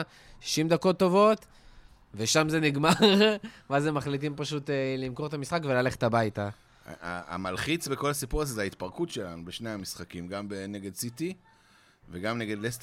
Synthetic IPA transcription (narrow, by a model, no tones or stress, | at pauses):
ʃi̥ʃimd̪ako̞t̪ːo̞vo̞t̪ | ve̞ʃamze̞niɡmaʁveazemːaχlit̪̬impaʃut̪elimko̞ʁet̪amisχakve̞lale̞χet̪abajt̪a | a̰a̰malχit͡sbeko̞lasipuʁazezeait̪paʁkutʃe̞lanubeʃnejamisχakimɡambeneɡed̪sit̪i | veɡamneɡe̞d̪lest